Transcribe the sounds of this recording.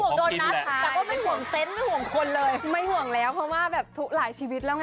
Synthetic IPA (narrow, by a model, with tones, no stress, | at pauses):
hu˨˩əŋɗoː˧˩na˨˦˥a˧˨˧ɔ˧˦ma˦˧˩jhu˨˩əŋt̪e˧˥˩nmaː˧˥˩jhu˨˩əŋkʰo˧nlɤː˧jma˧˩jhu˨˩əŋlɛː˨˦˥wpʰɔ˧waː˧˩ɓɛː˨˩p̚t̪ʰu˦˥k̚laː˨˩˦jt͡ɕiː˧wi˨˦˥t̚la˧wŋ˧